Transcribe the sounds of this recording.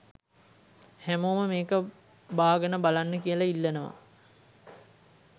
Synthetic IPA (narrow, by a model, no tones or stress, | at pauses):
hæmoːməmeːkə | baːɡənəbalanːəkijəlailːənəʋa̰